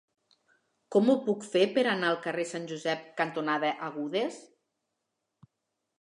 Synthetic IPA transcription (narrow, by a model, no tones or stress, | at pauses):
kɔmupukfepeɾanaəlˠkəresanʲʒuzɛp̚kant̪unaðəʔaɣ̞uðes